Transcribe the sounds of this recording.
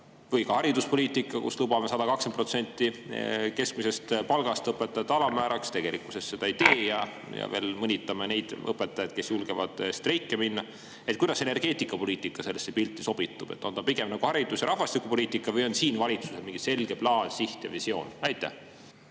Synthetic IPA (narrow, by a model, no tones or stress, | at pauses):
vɤjkɑhɑɾid̪uspo̞lʲiːt̪ˑikːˑɑkṵslubɑmesɑd̪̥ɑkɑksenpro̞t̪se̞nʲt̪ːˑike̞skmise̞st̪pɑlɡ̥ɑst̪ɤpːˑet̪ːˑɑjɑt̪ːɑlɑmæːɾɑkst̪e̞ɡ̥e̞likuse̞st̪ːse̞d̪ɑit̪e̞ːjɑ | jɑ̰ve̞̰ːlmɤnʲit̪ːˑɑmene̞jd̪̥ɤpːˑet̪ːˑɑjɑd̪̚ke̞sjulɡ̥evɑ̰d̪̥st̪rejkˑːeminːɑ | et̪kujd̪ɑse̞ne̞rɡ̥e̞ːt̪ˑikːˑɑpo̞liːt̪ːˑikːˑɑse̞lːesːepilt̪ːˑiso̞b̥it̪ːˑub̥e̞t̪ːˑo̞nt̪ɑpiɡ̥e̞mnɑɡ̥uhɑɾid̪̥usjɑɾɑhvɑst̪ikːˑupo̞lʲiːt̪ːˑikˑːɑvɤjo̞nsiːnvɑlʲit̪suselmiŋɡ̥ise̞lɡ̥e̞plɑːnsiht̪jɑ̰visio̞̰ːnɑjt̪ːˑæ̰h